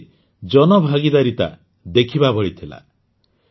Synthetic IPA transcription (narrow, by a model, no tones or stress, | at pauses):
d͡ʒɔnɔbʱaɡid̪aɾit̪a̰ | d̪ekʰibabɔɽit̪ʰila̰